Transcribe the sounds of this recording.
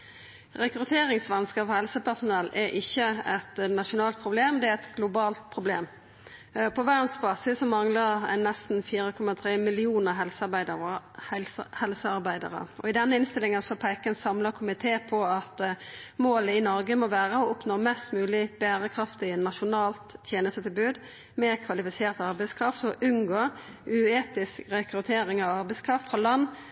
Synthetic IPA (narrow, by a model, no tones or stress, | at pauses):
ʁɛkʁʉt̪ʰeːɾɪŋsʋɑnskɑfɔhɛlsəpæʁsʊnɛlːɛɾʔɪçːəɛt̪nɑʃʊnɑːlt̪̚pʰʁʊbleːmd̪ɛæɛt̪ɡlʊbɑːlt̪̚pʰʁʊbleːm | pʰɔʋæʁnsbɑːsɪsːɔmɑŋləʁɛ̰nːɛst̪n̩fiːɾəkʰɔmɑt̪ʰʁeːmɪlɪuːnəɦɛlsbɪ | hɛlsəɑʁbæɪd̪ə̰ʁə̰ɔɪd̪ɛnːəɪnst̪ɪlɪŋɑsɔpʰæɪkənsɑmləkʰʊmɪt̪ʰeːpʰɔɑt̪moːləɪnɔɾɡəmɔʋæːʁəɔʊpnoːmɛst̪mʉːlɪb̥æːɾəkʰʁɑft̪ɪnɑʃʊnɑːlt̪ːʰjeːnəst̪ət̪ɪlbʉːd̪ | meːʁkʰʋɑlɪfɪseːʁt̪ɑʁbæɪskʰʁɑft̪sɔʔʉnɡoːʉeːt̪ɪskʁɛkɾʉt̪ʰeːɾɪŋɑʋɑʁbɛɪskʰʁɑft̪fʁɑːlɑnː